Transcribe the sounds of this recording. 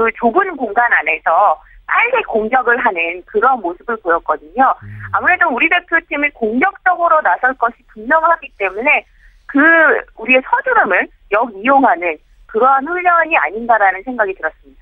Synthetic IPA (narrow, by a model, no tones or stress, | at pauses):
kɯt͡ɕobɯnɡoŋɡanane̞sʰʌt͈aɭɡekoŋɡjʌɡɯɭɦanɯnkɯɾʌnmosʰɯbɯɭpojʌk̚k͈ʌdɯɲoamuɾe̞douɾide̞pʰjotʰimikoŋɡjʌk̚t͡ɕ͈ʌɡɯɾonasʰʌɭk͈ʌɕʰipɯŋmʌŋɯɭɦaɡit͈e̞mune̞ | kɯuɾie̞sʰʌd͡ʑuɾɯmɯn | jʌɡijoŋɦanɯn | kɯɾʌɦanɸuɭːʌɲia̰ɲindaɾanɯnsʰe̞ŋɡaɡitɯɾʌs͈ɯmɲida